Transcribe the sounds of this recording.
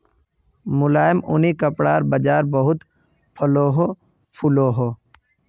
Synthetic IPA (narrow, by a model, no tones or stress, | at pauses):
mʊlaːjəmʊnikəpɽaːɾbəd͡ʒaːɾbəɦʊt̪ | pʰəloːɦo | pʰʊloːɦoː